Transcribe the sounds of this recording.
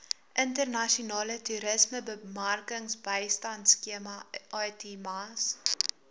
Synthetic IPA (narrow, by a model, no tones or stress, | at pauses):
ʔəntərnɐʃiunɑːlətuɾəsməbəmɐrkəŋsbəjstɐntskiəmɐɑtimɐs